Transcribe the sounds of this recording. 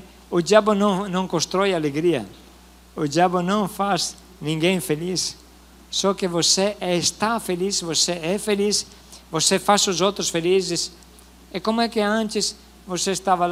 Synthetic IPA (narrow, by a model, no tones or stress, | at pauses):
ʊdiaβʊnõŋnõŋkõst̪ɾɔjaleɡɾiɐ̰ | ʊd͡ʒaβʊnõŋfaz | nĩŋɡẽj̃felisː | ɔkɪvoseɛst̪afelisvoseɛfelis | vosefasʊzowt̪ɾʊsfelizɪs | ɛkomʊɛkɪãnt͡ʃ̪ɪs | vosest̪aval